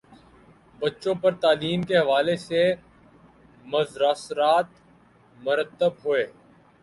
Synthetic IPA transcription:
bɐtːʃõpɐɾt̪aːliːmkeɦɐʋaːlese | mɐzɾaːsɾaːt̪ | mʊɾət̪ːəbɦʊeː

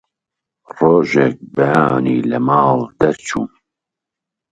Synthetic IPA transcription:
roːʒɛk̚bɛjɑːniːlɐmɑːld̪̥ɐɾt͡ʃʰuːn

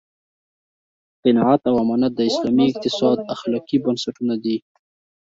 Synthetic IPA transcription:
qɪnɑʕat̪awamɑnat̪̚d̪əɪslɑmiɪq̚t̪ɪsɑd̪axlɑqibənsaʈunad̪i

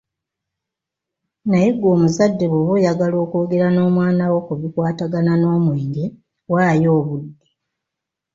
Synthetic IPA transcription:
najeɡo̞ːmuzadːe̞βoβejaɡalo̞ːkoːɡe̞ɾano̞ːmwaːnawo̞kuβikwaːtaɡanano̞ːmwe̞ːŋɡe | waːjo̞ːβudːe

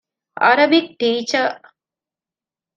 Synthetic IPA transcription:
ɐ̰ɾɐbik̚ʈiːt͡ʃɐ

